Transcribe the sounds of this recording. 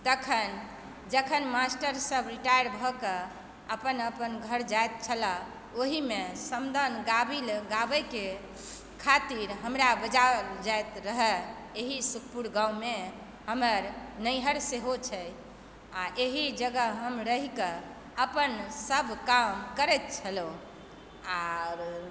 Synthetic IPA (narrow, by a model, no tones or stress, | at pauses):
t̪əkʰən | d͡ʒəkʰənmasʈəɾsəbɾiʈajəɾbʱɔkə | əpənəpənɡʱəɾd͡ʒajt̪̚t͡ʃʰəla | oɦimesəmd̪ʱənɡabilɡabəjke | kʰat̪iɾɦəmɾabəd͡ʒad͡ʒajt̪ɾəɦɛ | eɦisukʰpuɾɡãwme | ɦəməɾnəjɦəɾseɦot͡ʃʰɛ | aʔeɦid͡ʒəɡəɦəmɾəɦikə | əpənsəbʱkamkəɾɛt̪̚t͡ʃʰəlo | aɾ